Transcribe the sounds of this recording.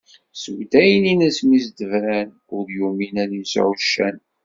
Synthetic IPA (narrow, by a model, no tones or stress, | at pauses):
swd̪æjəninəsmizd̪əvɾæn | ʊɾjuminæninsʕuʃːæ̰n